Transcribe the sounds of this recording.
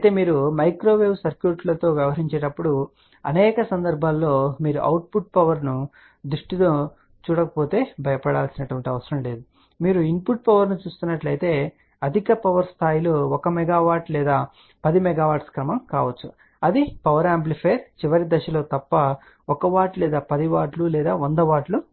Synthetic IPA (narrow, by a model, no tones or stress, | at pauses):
ɐjt̪e̞ːmiːɾumɐjkɾo̞ːʋeːʋsɐɾkjuːʈlɐt̪o̞ːʋjɐʋɐɦɐɾiɲt͡ʃɛːʈɐpːuɽu | ɐ̰nɛːkɐsɐnd̪ɐɾbʱaːlːo̞ːmiːɾuʔɐ̰wʈ̚puʈ̚pɐʋɐɾnu | d̪ɾuʂʈit̪oː | t͡ʃuːɽɐkɐpoːt̪e̞ːbʱɐjɐpɐɽaːlsinɐʈuʋɐɳʈiɐʋɐsɐɾɐmle̞ːd̪u | miːɾuimpuʈ̚pɐʋɐɾnut͡ʃuːst̪unːɐʈlɐjt̪e̞ː | ɐd̪ʱikɐpɐʋɐɾst̪ʰaːjiloːɔkɐmɛɡaːʋaːʈlɛːd̪aː | pɐd̪imɛɡaːʋaːʈskɾɐmɐmkaːʋɐt͡ʃːu | ɐd̪ipɐʋɐɾaːmp̬lipʰeːɾt͡ʃiʋɐɾid̪ɐʃɐlo̞ːt̪ɐpːɐ | ɔkɐʋaːʈlɛːd̪aːpɐd̪iʋaːʈlulɛːd̪aːond̪ɐʋaːʈlu